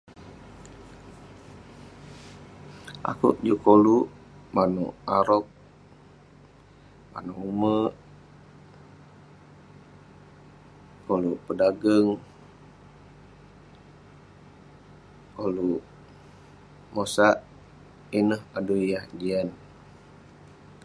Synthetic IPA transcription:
ʔa̰kṵʔd͡ʒukoluʔ | manṵʔaɾɔk̚ | ma̰nuʔumə | koluʔpədaɡəŋ | kolu | mosaʔ | inəhadujahd͡ʒian

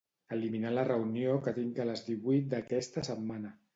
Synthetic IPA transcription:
əliminalərəuniokət̪iŋkələzðiβujt̪̚d̪əkɛst̪əsəmmanə

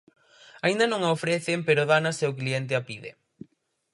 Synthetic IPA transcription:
aĩnd̪ɐnõŋaofɾeθempeɾoðanasewklient̪̬ɪapiðɪ̰

